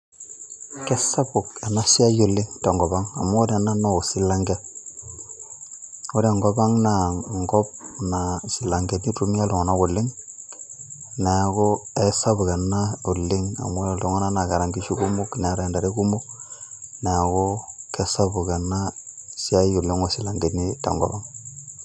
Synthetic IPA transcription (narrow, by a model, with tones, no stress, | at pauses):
kɛ˦sa˦bu˨ka˨na˦si˦a˦jo˨lɪ˦ŋta˨ŋɡɔ˨ba˦ŋa̰˨mo˦o˦da˨na˦no˦o˨si˦la˦ŋɡɛ˦ | o˦da˨ŋɡɔ˦ba˦ŋna˨ŋɡɔ˦p̚na˨si˨la˨ŋɡe˨ni˦tu˦mi˦a˦lo˨ŋo˨na˦ɡo˨lːɪ˦ŋ | ne˨ko˦e˦sa˦bu˨ka˨na˦u˨lːi˦ŋa̰˨mo˦˨lo˨ŋo˦na˦na˨ka˨ɾa˨ŋɡi˦ʃi˦ku˦mo˦ki˨ne˨˦ɾa˨nda˨ɾe˦ku˦mo˦ | ne˨ko˦ke˦sa˦bu˨ka˨na˦si˦a˦jo˨li˦ŋo˦˨si˨la˨ŋɡe˨ni˦ta̰˨ŋɡo̰˨ba˦ŋ